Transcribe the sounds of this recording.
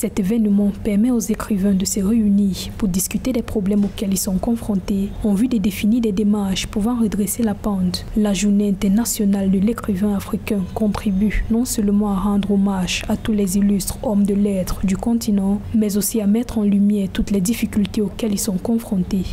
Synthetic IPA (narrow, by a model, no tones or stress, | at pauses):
sɛt̪evɛnmɑ̃pɛʁmɛozekχivɛ̃d̪əsəʁeyniːʁpuʁd̪iskyt̪ed̪ɛpχɔblɛmokɛlilsɔ̃kɔ̃fχɔ̃t̪eɑ̃vyd̪ed̪efiniʁd̪ɛd̪emaʁʃpuvɑ̃ʁəd̪ʁeselapɑ̃t̪laʒuʁneɛ̃t̪ɛʁnasjɔnald̪əlekχivɛ̃afχikɛ̃kɔ̃t̪χibynɔ̃sœlmɑ̃aʁɑ̃d̪ʁomaʒat̪ulɛzilyst̪χɔmd̪əlɛt̪χd̪ykɔ̃t̪inɑ̃mɛzosiamɛt̪χɑ̃lymjɛʁt̪ut̪lɛd̪ifikʲylt̪eokɛlilsɔ̃kɔ̃fχɔ̃t̪e